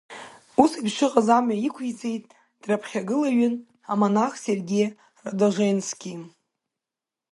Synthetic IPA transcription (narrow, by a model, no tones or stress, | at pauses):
usibʃɨqʼazamɥaikʷʰit͡sʼejtʼ | d̥rapʰχʲaɡɨlaɥʏn | amonaχserɡʲej | radoʒʷejnskʲʰʼi